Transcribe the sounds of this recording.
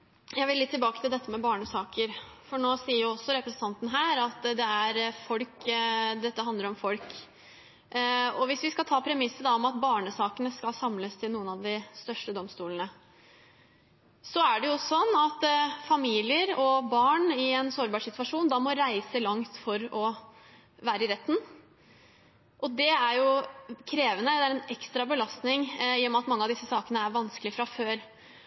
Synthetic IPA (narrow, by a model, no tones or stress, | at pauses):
jæɪʋɪlɪt̪ʰːɪlbɑːkət̪ʰɪld̪ɛt̪ːəmɛbɑːɳəsɑːkəɾ | fɔɳoːsiːəɾjʊɔsːɔɾɛpɾɛsən̩t̪ʰɑnt̪ənəɦæːɾɑt̪ːd̪ɛæɾfɔlkd̪ɛt̪ːəɦɑnd̪əɾɔmfɔlk | ɔʋɪsʋɪskɑlt̪ʰɑːpʰɾɛmɪsːəd̪ɑɔmɑt̪bɑːɳəsɑːkənəskɑlsɑmləst̪ʰɪlnuːənɑʋd̪ɪst̪œʂʈəd̪ɔmst̪uːlənə | sɔæɖɛjʊsɔnːɑt̪fɑmiːlɪəɾɔbɑːɳɪɛnsoːɾbɑːʂɪt̪ʉʋɑʂuːnd̪ɑːmɔɾæɪsəlɑŋt̪fɔɾɔ | ʋæːɾəɪɾɛt̪ːn̩ | ʔɔd̪ɛæɾjʊkʰɾeːʋənəd̪ɛæɾɛnɛkst̪ɾɑbəlɑst̪nɪŋjːɔmɑt̪mɑŋːəɑʋd̪ɪsːəsɑːkənəæɾʋɑnskəlɪfɾɑføːɾ